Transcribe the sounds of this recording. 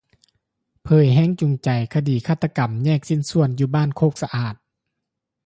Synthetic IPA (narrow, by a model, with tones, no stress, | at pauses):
pʰɤː˨˩jɦɛː˧˥˨ŋt͡ɕu˨˩ŋt͡ɕa˨˩jkʰa˧diː˨˩kʰaː˧˩t̪ʰːa˧ka˨˩mɲɛː˧˥˩k̚si˧˥˨nsu˧˩ənjuː˧˦baː˥˨nkʰoː˧˥˩k̚sa˧ʔaː˨˩t̪̚